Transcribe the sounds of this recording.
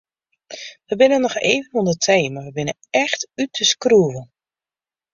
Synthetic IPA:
ʋəbɪnənːɔxeːvənundətʰeːmaʋəbɪnənɛxtytʰəskruəvən

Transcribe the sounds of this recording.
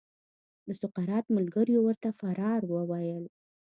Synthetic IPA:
d̪əsʊqaɾɑt̪məlɡəɾjowəɾt̪afaɾɑɾwəwajəl

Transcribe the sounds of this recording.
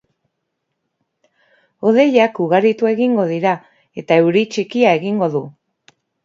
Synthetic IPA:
o̞ðe̞ʎakuɣ̞aɾit̪ue̞ɣiŋɡo̞ð̞iɾa | e̞t̪ae̞wɾit͡ʃikiae̞ɣiŋɡo̞ðu

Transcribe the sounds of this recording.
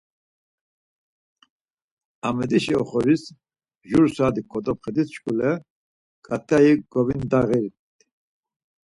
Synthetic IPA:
amɛd̪iʃiɔ̰χɔɾis | ʒuɾsad̪ikʰʼːɔd̪ɔpχɛd̪ist͡ʃkʼulɛ | kʼat̪ʰʼajiɡɔvind̪aɣɛɾ | t̪

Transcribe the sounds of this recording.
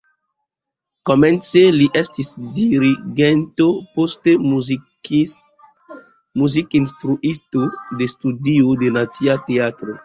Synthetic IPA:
komɛ̃nseliʔɛst̪isd̪iɾiɡɛnt̪opost̪e | muzikinst̪ɾuʔist̪od̪est̪ud̪iod̪enatiat̪eat̪ɾo

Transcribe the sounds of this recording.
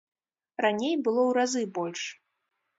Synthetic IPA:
ranʲejbɨlˠɔwɾazɨbɔlʲʂ

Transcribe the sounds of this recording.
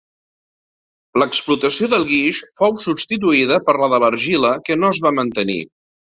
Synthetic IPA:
ləksplut̪əsioðəlˠɣiʃfowsubst̪it̪̬uiðəpəɾləðələɾʒiləkənoəzβamənt̪ənḭ

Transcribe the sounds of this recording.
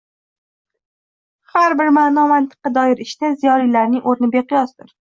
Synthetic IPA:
haɾbɪɾmaːnɒmant̪ʰɨ̥qd̪ɒjɪɾɪʃd̪azijɒlijlaɾnɪŋoɾnɪbeqɨjɒsd̪ɪɾ

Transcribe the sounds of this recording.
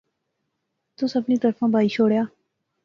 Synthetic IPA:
t̪ʊsəbniːt̪əɾfãːbʱaːiːt͡ʃʰoːɽjaː

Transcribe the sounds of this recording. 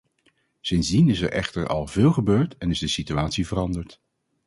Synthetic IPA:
sɪnzdinɪsɛ̰ɹʔɛ̰χtəɹɑ̰lˠvɪːlˠχəbøːɹtɛnɪzdəsityaːtsivərɑndəɹt

